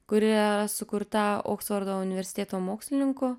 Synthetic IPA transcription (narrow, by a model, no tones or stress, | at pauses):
kʊɾʲɪɐɾɐsʊkʊɾt̪ɐo̰ːksfoːɾd̪oːʊnʲɪʋʲɛɾʲsʲɪ̥t̪ʲeːt̪oːmoːksʲlʲɪnʲɪŋkʊ